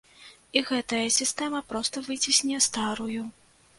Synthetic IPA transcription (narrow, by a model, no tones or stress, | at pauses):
iɣɛt̪ɐjɐsʲist̪ɛmɐpɾɔst̪ɐvɨt͡sʲisʲnʲɛjɛst̪aɾuju